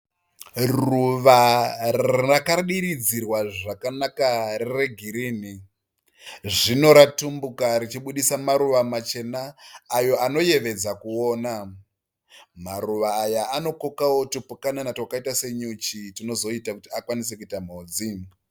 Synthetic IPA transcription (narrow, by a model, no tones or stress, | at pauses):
ruʋarrakaɗiɾid͡zirwaʐakanakarereɡʱiɾiːni | ʐino̞ɾatumbukaɾit͡ʃiɓuɗisamaɾuʋamat͡ʃe̞naːjo̞ano̞je̞ʋe̞d͡zakuo̞ːna | maruʋaːjaano̞kokawo̞tupukananatwakaitase̞ɲut͡ʃitino̞zo̞itakutiakwanise̞kuitam̤oːd͡zi